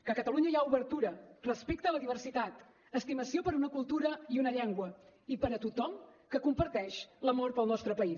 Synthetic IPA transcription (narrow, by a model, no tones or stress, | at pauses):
kəkət̪əluɲəijauβəɾt̪uɾərəspek̚t̪ələðiβərsit̪at̪ | əst̪iməsiopəɾunəkulˠt̪uɾəiunəʎɛŋɡwəipəɾət̪ut̪ɔmkəkumpəɾt̪ɛʃləmoɾt̪pəlˠnɔst̪ɾəpəi